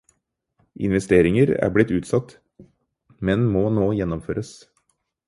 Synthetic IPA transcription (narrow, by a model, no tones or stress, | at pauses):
ʔɪ̰nʋɛst̪eːɾɪŋəɾæ̰ːblɪt̪ːʉːt̪sɑt̪ | mɛnmoːnoːjɛnːɔmføːɾʔəs